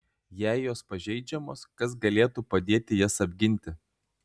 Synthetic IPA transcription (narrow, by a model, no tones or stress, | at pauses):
jæˑɪjoːspɐʒʲɛɪd͡ʒʲɛmoːskɐsɡɐlʲeːt̪uːpɐd̪ʲeːt̪ʲɪjɛsɐbʲɡʲɪnʲt̪ʲɪ